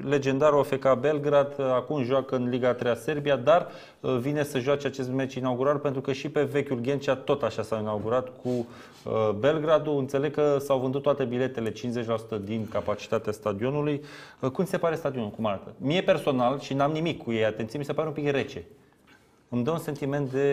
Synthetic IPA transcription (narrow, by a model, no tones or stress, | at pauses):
le̞d͡ʒe̞nd̪aɾofe̞kabe̞lɡɾad̪akumʒwakɨnliɡat̪ɾejase̞rbijad̪ar | vine̞səʒuat͡ʃeat͡ʃe̞st̪me̞t͡ʃinauɡuɾarpe̞nt̪ɾukəʃipe̞ve̞kʲulɡʲe̞nt͡ʃat̪o̞t̪aʃasawinawɡuɾat̪kʰu | əbe̞lɡɾad̪uɨnt̪se̞le̞ɡ̚kəsawvɨnd̪ut̪ːwat̪e̞bile̞t̪e̞le̞t͡ʃinsze̞t͡ʃʲlasu̥t̪əd̪inkapat͡ʃi̥t̪at̪east̪ad̪io̞nulujəkumise̞paɾe̞st̪ad̪io̞nulkumaɾat̪əmije̞pe̞rso̞nalʃinamnimikʰːuje̞jat̪e̞nt̪siemise̞paɾe̞umpikre̞t͡ʃe̞ | ɨmd̪əunse̞nt̪ime̞nt̪̚d̪e̞